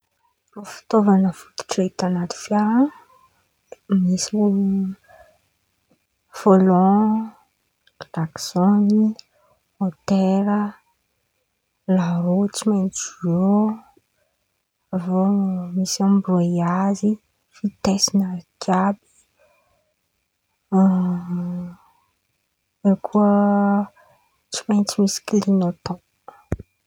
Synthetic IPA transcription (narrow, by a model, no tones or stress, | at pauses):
rofi̥t̪ovanəfu̥t̪u̥ʈ͡ʂet̪anat̪i̥fja | misiu | folɔ̃ | laksoni | ot̪eɾə | laɾot͡siment͡suo | vomisiãmbɾojazi | fit̪esinad͡ʒabi̥ | ekʰuə | t͡ʃi̥mẽnt͡ʃimisi̥klinot̪ɔ̃